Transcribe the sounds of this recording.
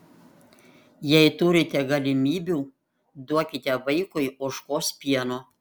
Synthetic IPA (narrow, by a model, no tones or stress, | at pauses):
jɛɪt̪ʊɾʲɪt̪ʲɛɡɐlʲɪmʲiːbʲuː | d̪uɔkʲɪt̪ʲɛʋɐɪkʊjʊʃkoːspʲiɛnoː